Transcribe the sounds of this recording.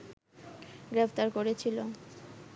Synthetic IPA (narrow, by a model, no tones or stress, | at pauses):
ɡɾeft̪aɾkoɾet͡ɕʰilo